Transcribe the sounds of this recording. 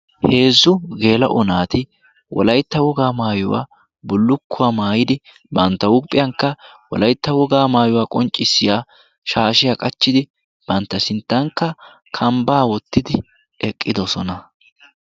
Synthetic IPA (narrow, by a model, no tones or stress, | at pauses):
he̞ːzːʊɡe̞ːlɐ̰ʔʊnaːt̪ɪ | wʔɔ̰lɐjt̪ːɐwɔɡaːmaːjʊwa̰ː | bʊlːʊkʰːʊwaːmaːjɪd̪ɪ | bɐnt̪ːɐʊpʼːɪjɐŋkːɐwɔ̰lɐjt̪ːɐwɔɡaːmaːjʊwaːkʼɔnt͡ʃʼːɪsːɪjaː | ʃaːʃɪjaːkʼɐt͡ʃːɪd̪ɪ | b̥ɐnt̪ːɐsɪnt̪ːɐŋkːɐ | kʰɐmbaːwɔt̪ːɪd̪ɪ | ɛkʼːɪd̪ɔsɔnɐ